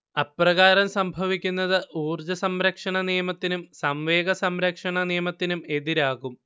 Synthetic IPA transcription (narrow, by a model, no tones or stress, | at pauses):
ɐprɐɣaːɾɐmsɐmbʱɐʋikʲːunːɐðɨʔuːrd͡ʑɐsɐmɾɐkʂɐɳɐnijɐmɐt̪ːinumsɐmʋe̞ːɡɐsɐmɾɐkʂɐɳɐnijɐmɐt̪ːinume̞ðiɾaːɣum